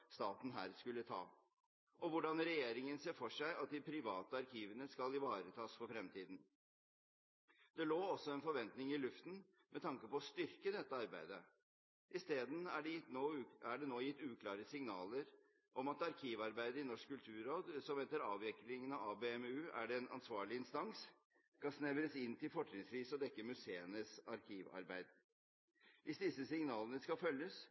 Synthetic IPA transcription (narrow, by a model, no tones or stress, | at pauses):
st̪ɑːt̪n̩ɦæ̰ːɾskʉlːət̪ʰɑ̰ː | ʔɔʋʊɖɑnɾɛjeːɾɪŋənseːfɔʂæɪʔɑt̪̚d̪ɪpʰɾɪʋɑːt̪əɑɾkʰiːʋənəskɑlɪʋɑːɾət̪ʰɑːsfɔɾfɾɛmt̪iːd̪n | d̪̥ɛloːɔsɔɛnfɔɾʋɛnt̪nɪŋɪlʉft̪n̩ | mʔɛt̪ʰɑŋkəpɔɔst̪ʏɾkəd̪ɛt̪ːəɑɾbæɪd̪ə | ʔɪst̪eːd̪n̩æɖoːæɖɛnoːjɪt̪ːʉːkʰlɑːɾəsɪŋnɑːləɾ | ʔɔmɑt̪ɑɾkʰiːʋɑɾbæɪd̪əɪnɔʂkkʰːʉlt̪ʰʉːɾoːd̪sɔmʋɛnt̪əɾɑ̰ːʋɛklɪŋənɑɑbeːɛmʉːæ̰ɖɛːnʔɑ̰nsʋɑːɭɪɪnst̪ɑŋs | skɑsnæʋəɾəsɪnːt̪ʰɪlfɔʈɳɪŋsɾiːsɔd̪ɛkːəmʉseːənəsɑɾkʰiːʋɑ̰ɾbæ̰ɪd̪ | ʋʔɪsd̪ɪsːəsɪŋnɑːlənəskɑfœljəs